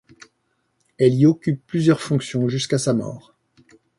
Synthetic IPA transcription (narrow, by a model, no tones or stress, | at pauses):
ɛliɔkʲypːlyzjœʁfɔ̃ksjɔ̃ʒyskasamɔ̰ːʁ